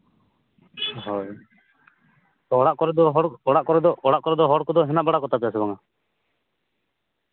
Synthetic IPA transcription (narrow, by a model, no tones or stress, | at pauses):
ɦɔj | t̪ɔɔɽaʔkɔɾɛd̪ɔɦɔɽɔɽaʔkɔɾɛd̪ɔɔɽaʔkɔɾɛd̪ɔɦɔɽkɔd̪ɔɦɛnaʔbaɽakɔt̪ʰapɛjasɛbaŋa